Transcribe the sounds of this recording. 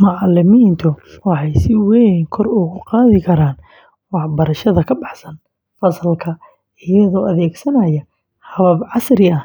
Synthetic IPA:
mʊʕɑlɪmiːnt̪ʰʊwɑħɑjsɪwɛŋkʰɔrʊɣʊqɑːðɪkʰɐɾaːn | wɑħbɐɾɐʃɐðɐkʰɐbɑħsɐn | fɐsɐlkʰɐ | ɪjɐðɔːʔɐðɛːɡsɐnɐjɐ | hɐβɐbʕɑsɾɪɐ

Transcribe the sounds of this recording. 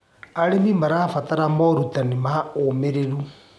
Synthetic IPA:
aɾemimaɾafataɾamɔɾutanimaomeɾeɾu

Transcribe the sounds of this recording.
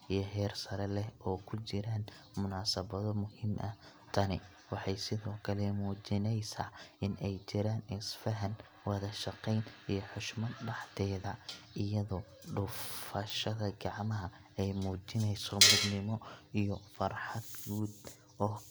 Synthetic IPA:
ʔijɞɦɛːrsɐɾɛlɛhʔɔːkʰʊt͡ʃɪɾaːnmʊnaːsɐβɐðɔmʊhɪmʔɐ | t̪ʰɐnɪ̰ | wɑħɑjsɪðɔːkʰɐlɛmuːt͡ʃɪnɛjsaːɪnʔɛjt͡ʃɪɾaːnɪsfɐɦɐn | wɐðɐʃɑqɛjnijɞħʊʃmɐd̪ɖɑħt̪ʰɛːðɐʔɪjɐðɔ | ɖʊfɐʃɐðɐɡɑʕmɐɦɐ | ɛjmuːt͡ʃɪnɛjsɔbʊd̪nɪmɔʔijɔfɐrħɑd̪ɡuːd̪ | ɔː

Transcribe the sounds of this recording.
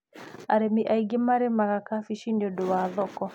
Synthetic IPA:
aɾemiʔaiɡemaɾemaɣakafiʃinodowaðɔkɔ

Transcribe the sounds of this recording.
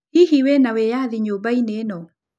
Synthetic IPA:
hiɦiwɛnawejaðiɲoːbaineːnɔ

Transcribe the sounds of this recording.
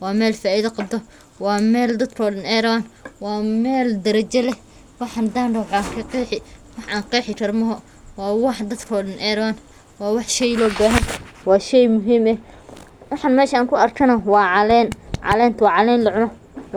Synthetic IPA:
wɑːmɛːlfaːiðɐqɑb̚d̪ɔ | wɑːmɛːld̪ɐd̪kʰɔːlɪnɛːɾɐwɐnwɑːmɛːld̪ɐɾɐt͡ʃɐlɛ | wɑħɑnd̪aːnɖɐwħaŋkʰɐqɛħɪwɑħaːŋqɛːħɪrɐrmɐɦɔ | wɑːwɑħd̪ɐd̪kʰɔːlɪnʔɛːɾwan | wɑːwɑħʃɛjlɔːbaːɦɐnwɑːʃɛjmʊɦiːmɛ | wɑħɑnmɛːʃaaːŋkʰʊɐrkʰɐnɐwɑːʕɑlɛːnʕɑ̰lɛːnt̪ʰwɑːʕɑlɛːnlɐʕʊnɔ

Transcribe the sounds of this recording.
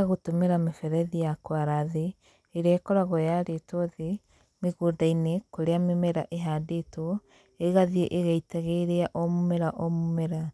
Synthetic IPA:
aɣotomeɾamefɛɾɛðijakwaɾaðeː | ɾɛːkɔɾaɣɔjaɾetɔðe | meɣoːdainekoɾeamemɛɾaʔeɦadetɔ | eɣaðieʔeɣaitaɣeɾeaʔɔmomɛɾaʔɔmomɛɾa

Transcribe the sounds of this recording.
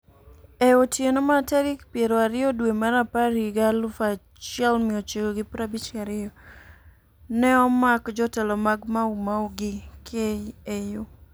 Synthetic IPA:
eotjenomatɛɾɪkpjeɾoaɾɪɔdwemaɾapaɾiɡalʊfa | t͡ʃɪɛlmɪɔt͡ʃeɡoɡɪpɾabit͡ʃaɾɪɔ | nɛɔmakd͡ʒɔtɛlɔmaɡmaumawɡɪkʰeiejo

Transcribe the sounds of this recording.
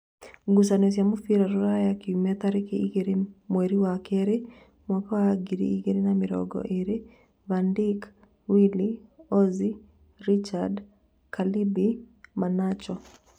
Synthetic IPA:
ɡus̬anes̬jamofiɾaɾoɾajakiumataɾekeiɡeɾemweɾiwakeɾe | mɔkɔaɡiɾḭiɡeɾenamɪɾɔ̰ɡɔ̰ʔeɾe | vandik | wiliɔzi | ɾit͡ʃad | kʰalibi | manat͡ʃɔ

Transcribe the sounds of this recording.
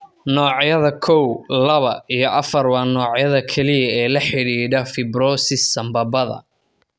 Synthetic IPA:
nɔːʕjɐðɐkʰɔwlɐβɐijɞʔɐfɐrwɑːnɔːʕjɐðɐkʰɛlɪjɐɛːlɐħɪɽiːɖɐfɪbɾɔːsɪsːɐmbɐbɐðɐ̰

